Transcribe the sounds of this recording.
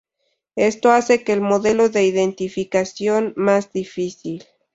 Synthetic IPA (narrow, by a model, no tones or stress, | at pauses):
e̞st̪o̞ase̞keːlmoðe̞lo̞ðe̞iðent̪ifikasjo̞nmazd̪ifisil